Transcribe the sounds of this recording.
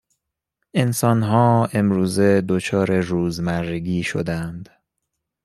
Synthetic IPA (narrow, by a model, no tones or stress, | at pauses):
ʔe̞nsɒːnɦɒːe̞mɾuːze̞d̪ot͡ʃʰɒːɾeɾuːzmæɾɡiːʃo̰d̪ænd̪